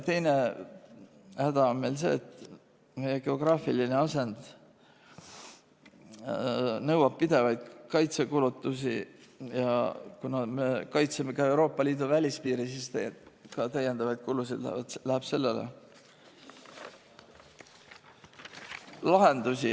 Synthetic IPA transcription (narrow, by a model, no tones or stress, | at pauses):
t̪e̞jne̞ | hæd̪̥ɑonme̞jls̬e̞̰ːt̪ | me̞jːeɡ̥e̞o̞ɡ̥rɑːfiline̞ɑse̞nd̪ | nɤwɑb̥̚pid̪̥e̞vɑjd̪̥kɑjt̪se̞kulut̪ːˑus̬ijɑ̰kunɑme̞kɑjt̪seme̞kɑe̞wɾo̞ːpːˑɑliːd̪uvælʲispiːɾisist̪ækɑt̪æjend̪̥ɑvɑjd̪̥̚kulusid̪læ̰d̪læheb̥se̞lːelḛ | lɑɦe̞nd̪̥usi